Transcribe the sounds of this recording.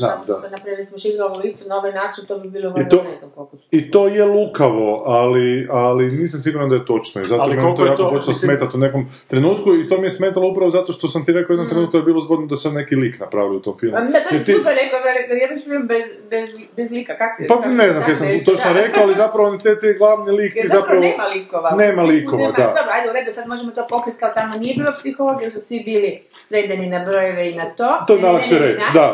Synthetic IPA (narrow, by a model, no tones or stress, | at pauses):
amd̪aonapɾimeɾsmʃiɾiaoist̪onaoʋajnaːt͡ʃint̪obibilˠoit̪onemko | it̪oːjelˠukaʋo̞alialiniːsamsiɡuɾnand̪ajet̪o̞t͡ʃnoḭzat̪mojakoopot͡ʃelasmeːt̪at̪uneko̞m | t̪ɾe̞nuːt̪kuit̪omijesme̞ːt̪aloupɾaʋozat̪o̞ʃt̪osamt̪iɾe̞kaojenot̪ɾenuːt̪̚kod̪aebiːlˠozbod̪nod̪asannekiliknapɾa̰ːʋiout̪o̞mfilˠmt̪oit̪ukaɾekod̪ajabiʃfimbezbez | bezlikakako̥spaneznamkkasamt̪ot͡ʃnoɾekaoalizapɾaʋonit̪et̪eɡlˠaʋnilikt̪izzapɾaneːmalikoʋaneːmalikonmd̪a̰d̪obɾajd̪euɾed̪iosad̪moʒemot̪opokɾit̪̚ʲkaot̪amonijebiːlopsixoloɡjeɾsusʋibiːli | sʋed̪eninabɾojeʋeinat̪oːtt̪onalaʃeɾet͡ʃd̪a